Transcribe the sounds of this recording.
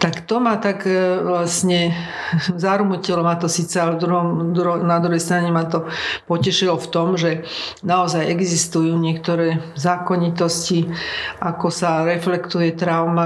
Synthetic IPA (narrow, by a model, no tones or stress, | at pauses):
t̪akt̪ɔmat̪akʋlasɲɛ | zaɾmucilɔmat̪ɔsiːt͡sɛalɛvd̪ɾuɦɔmd̪ɾunad̪ɾuɦɛjst̪ɾaɲɛmat̪ɔpɔcɛʃilɔft̪ɔmʒɛnaɔzajɛɡzist̪ujuːɲɪɛkt̪ɔɾɛːzaːkɔɲit̪ɔsciʔakɔsaɾɛflɛkt̪ujɛt̪ɾaʊma